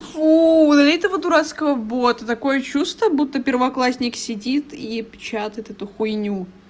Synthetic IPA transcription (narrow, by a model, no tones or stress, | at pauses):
ud̪ɐlʲit̪əvət̪ʊɾat̪skəvəbot̪ət̪ɐko̞jət͡ɕust̪əbut̪ːəpʲɪrvɐklˠasʲnʲɪksʲɪdʲit̪ipʲt͡ɕat̪əjɪt̪ɛt̪ʊxʊjnʲu